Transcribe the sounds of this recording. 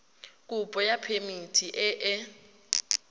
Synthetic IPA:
kʼupʼɔjapʰemitʰiʔɛʔɛ

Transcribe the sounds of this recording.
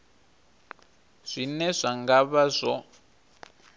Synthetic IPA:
z̥ʷinɛzʷaŋɡaβazʷɔ

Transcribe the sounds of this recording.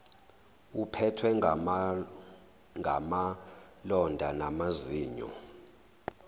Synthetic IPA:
upʰɛtʰwɛ | ŋʱa̰ma | lɔndʱanamaziːɲɔ̰

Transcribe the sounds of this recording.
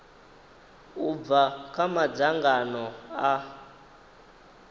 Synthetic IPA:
uvakamad͡zaŋɡanɔa

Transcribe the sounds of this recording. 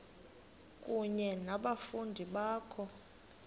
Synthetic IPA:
kʼuɲɛnaɓafundʱiɓaːkʰɔ

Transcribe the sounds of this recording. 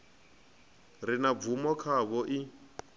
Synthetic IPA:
rinab̪vumɔkʰaβɔʔi

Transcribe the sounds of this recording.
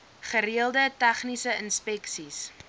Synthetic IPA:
χəɾiəlˠdətæχnisəənspɛksis

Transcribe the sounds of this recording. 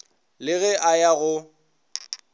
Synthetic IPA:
lɪɣɛʔajaɣʊ

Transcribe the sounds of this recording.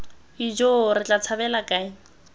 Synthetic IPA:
id͡ʒoɾɪt͡ɬʼat͡sʰabɛlakʼaɪ

